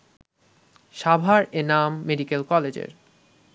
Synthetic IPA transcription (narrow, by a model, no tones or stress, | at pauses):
ʃabʱaɾenamːeɖikelkɔled͡ʑḛɾ